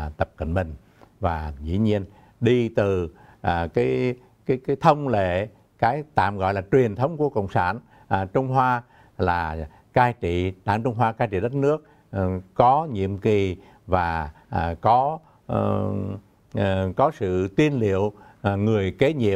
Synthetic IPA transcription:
t̪ə˨˩p̚kə̰˧˨nɓï˨˩ŋ̟ | vaː˨˩zḭ˧˥ɲi˧ən | ɗi˧t̪ɨ˨˩˨ | kaː˨˦j | kaː˨˦jkaː˨˦jt̪ʰə˧wŋ͡mlḛ˧˨ | kaː˨˦jt̪a̰ː˧˨mɣɔ̰˧˨jlaː˨˩t͡ɕwi˨˩ənt̪ʰə˨˦wŋ͡mku˧˩əkə̰˧˨wŋ͡msaː˧˩n˩ | t͡ɕʊ˧wŋ͡mɦwaː˧ | laː˨˩ | kaː˧jt͡ɕḭ˧˨ɗa̰ː˧˥˨ŋt͡ɕʊ˧ŋ͡mɦwaː˧kaː˧jt͡ɕḭ˧˨˩ɗə˦˥t̚nɨ˦˥ək̚ | kɔ˨˦ɲḭ˧˨əmki˨˩ | vaː˨˩˨ | kɔ˨˦˧ | kɔ˨˦sɨ̰˧˨t̪i˧ənlḭ˧˨əw | ŋɨ˨˩əjke˨˦ɲḭ˧˨əw

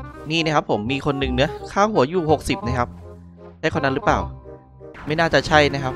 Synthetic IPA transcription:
niː˥˩na˦˥kʰa˦˥pʰːo˩˦mːiː˧kʰo˧nːɯ˨˧ŋnɯ˦˥ɐkʰaː˥˩whu˩˦ɐjuː˨˩ho˨˩k̚si˨˩p̚na˦˥kʰa˦˥p̚ | da˥˩kʰa˧˩na˦˥lɾɯ˦˥plaː˨˩w | ma˥˩jnaː˥˩t͡ɕa˨˩t͡ɕʰa˥˩jna˦˥kʰa˦˥p̚

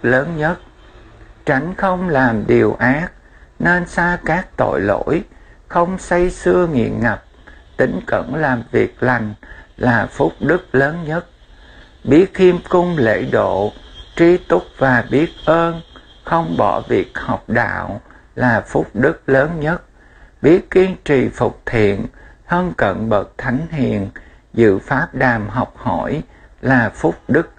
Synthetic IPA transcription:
ləː˨˦nɲə˦˥t̚ | t͡ɕa˨˦jŋ̟xə˧wŋ͡mlaː˨˩mɗi˨˩əwʔaː˦˥k̚ne˧nsaː˧kaː˦˥k̚t̪o̰˧˨jlo̰˧˥jxə˧wŋ͡msa˧jsɨ˧əŋḭ˧˨ənŋə˨˩p̚t̪ï˨˦ŋ̟kə̰˧˩˥nlaː˨˩mvi˨˩ək̚la˨˩jŋ̟laː˨˩fʊ˦˥k͡p̚ɗɨ˦˥k̚ləː˨˦nɲə˦˥t̚ | ɓi˦˥ət̚hi˧mkʊ˧ŋ͡mlḛ˧˥ɗo̰˧˨t͡ɕi˧t̪ʊ˦˥k͡p̚vaː˨˩ɓi˦˥ət̚ʔəː˧n | xə˧wŋ͡mɓɔ˧˩vi˨˩ək̚hɔ˨˩wk͡p̚ɗa̰ː˧˨w | laː˨˩fʊ˦˥k͡p̚ɗɨ˦˥k̚ləː˨˦nɲə˦˥t̚ | ɓi˦˥ət̚ki˧ənt͡ɕḭ˨˩fʊ˨˩k͡p̚t̪ʰḭ˧˨ənhə˧nkə̰˧˨nɓə˨˩t̚t̪ʰa˨˦jŋ̟ɦḭ˧˨ən | zɨ̰˧˨faː˦˥p̚ɗaː˨˩mɦɔ˨˩wk͡p̚hɔ˧˩j | laː˨˩fʊ˦˥k͡p̚ɗɨ˦˥k̚

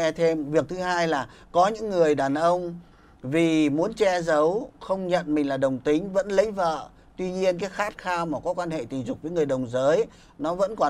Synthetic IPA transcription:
t̪ʰe˧mvi˨˩ək̚t̪ʰɨ˨˦ɦaː˧jlaː˨˩ | kɔ˨˦ɲɨ̰˧˥ŋːɨ˨˩əjɗaː˨˩nʔə˧wŋ͡m | vi˨˩mu˨˦ənt͡ɕɛ˧zə˨˦wxə˧wŋ͡mɲə̰˧˨nmï˨˩ŋ̟laː˨˩ɗə˨˩wŋ͡mt̪ï˨˦ŋ̟və̰˧˥nlə̰˧˥˦ŋvə̰ː˧˨ | t̪wi˧ɲi˧ənk̬aː˨˦jxaː˦˥t̚xaː˧maː˨˩kɔ˨˦kwaː˧nhḛ˧˨t̪ï˨˩ŋ̟zʊ˨˩k͡p̚vəː˨˦jŋɨ˨˩əjɗə˨˩wŋ͡mzəː˨˦j | nɔ˨˦və̰˧˥nkɔ˨˩

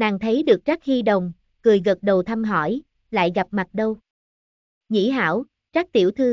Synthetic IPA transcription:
naː˨˩ŋt̪ʰə˨˦jɗɨ˨˩ək̚t͡ɕa˦˥k̚hi˧ɗə˨˩wŋ͡m | kɨ˨˩əjɣə˨˩t̚ɗə˨˩wt̪ʰa˧mɦɔ˧˩j | la̰ː˧˨jɣa˨˩p̚ma˨˩t̚ɗə˧w | ŋḭ˧˥ɦa̰ː˧˥w | t͡ɕa˦˥k̚t̪ḭ˧˩əwt̪ʰɨ˧

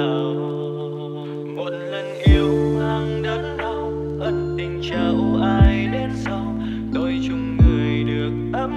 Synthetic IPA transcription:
ə˨˩w | mo˨˥t̚lə˨˩nʔi˧˩əwʔaː˧ŋɗa˨˦n̚ɗə˧w | hə˨˦nt̪ï˨˩ŋ̟t͡ɕə˨˧˩wʔaː˧jɗe˧nsə˧w | t̪o˧˦jt͡ɕʊ˨˧˦ŋ͡mŋɨ˨˩əjɗɨ˨˩ək̚ʔ̪a˧

